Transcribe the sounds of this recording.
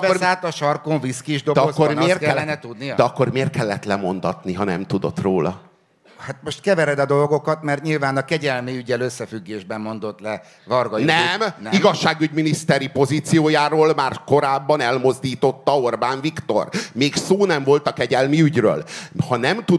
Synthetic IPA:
kbɛorsaːt̪ɒʃɒrkoɱviskiʒd̪od̪ɛɒkːormeːrt̪ɛɛlɛnɛt̪ud̪nidɛɒkːo̞rmeːrt̪̚kɛlːɛt̪lɛmo̞nd̪ɒt̪niɦɒnɛ̰mt̪ud̪o̞̰t̪ro̰ːlɒ̰ | hat̪mo̞ʃt̪kɛvɛɾɛd̪ɒd̪o̞lɡo̞kɒt̪mɛrt̪ɲilvaːnɒkɛɟɛlmiyɟɛløsːɛfyɡːeːʒbɛmːo̞nd̪o̞t̪lɛ | vɒrɡɒjinɛmniɡɒʃːaːɡyɟminist̪ɛɾipo̞ziːt̪sijoːjaːɾoːlmaːrko̞ɾaːbːɒnɛlmo̞zd̪iːt̪o̞t̪ːɒo̞rbaːɱvikt̪o̞̰rmeːksoːnɛɱvo̞lt̪ɒkɛɟɛlmiyɟrø̰ːlhɒnɛmt̪u

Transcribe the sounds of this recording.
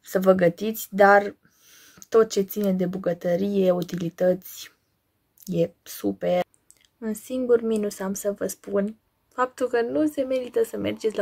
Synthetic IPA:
səvəɡət̪it̪sʲd̪ar | t̪o̞t̪̚t͡ʃe̞t̪sine̞d̪e̞buɡət̪əɾije̞ut̪ilit̪ət̪sʲ | je̞supe | unsiŋɡurminusamsəvəspun | fap̚t̪ulkənuse̞me̞ɾit̪əsəme̞̰rd͡ʒet̪sʲl

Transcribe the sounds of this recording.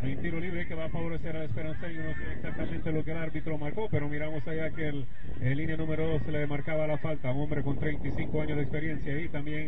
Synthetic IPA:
mejnt̪iɾoliβɾeke̞βaːfaβo̞ɾe̞se̞ɾalespe̞ɾansaiunosaeksak̚t̪amẽnt̪elo̞keːlaɾβit̪ɾo̞maɾko̞pe̞ɾo̞miɾamo̞saʝakel | elːinjanũme̞ɾoðo̞seleemaɾkaβalafalt̪auŋõ̞mbɾe̞ko̞nt̪ɾe̞jnt̪isiŋko̞aɲozðekspe̞ɾje̞nsjait̪ambje̞ŋ

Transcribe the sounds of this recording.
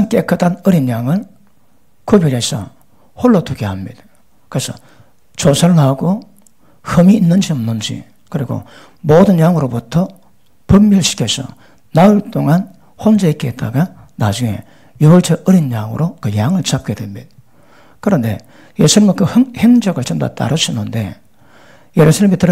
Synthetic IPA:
ank͈ekʰɯtanɯɾinjaŋɯɭ | kʰubiɾesʰʌ̰ | hoɭːotuɡehamːid | kɯɾesʰʌ̰ | t͡ɕosʰaɭːaɡo | hɯmiːnːɯnd͡ʑiʌmnɯnd͡ʑḭ | kɯɾiɡo̰ | modɯnjaŋɯɾobutʰʌ | pɯmːjɯɭɕʰi̥kʰjesʰʌ̰ | naɯɭt͈oŋan | hond͡ʑeik͈eet̚t͈aɡa | nad͡ʑuŋe̞̰ | jubʌɭt͡ɕʰeʔɯɾinjaŋɯ̰ɾokɯjaŋɯɭt͡ɕap̚k͈e̞dwemːid | kɯɾʌnde̞̰ | je̞sʰunimakɯheŋd͡ʑʌɡɯɭt͡ɕʌmda̰t͈a̰ɾɯɕʰʌnːɯnde̞̰ | je̞ɾusʰaɭːemitɯɾ

